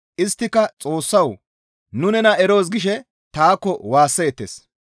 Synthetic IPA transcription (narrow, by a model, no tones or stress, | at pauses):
ʔɪst̪ːɪkɐt͡sʼo̞ːsːɐw | nʊnɛnɐʔɛɾo̞ːs̬ɡɪʃɛ | t̪aːkːɔwaːsːeːt̪ːḛs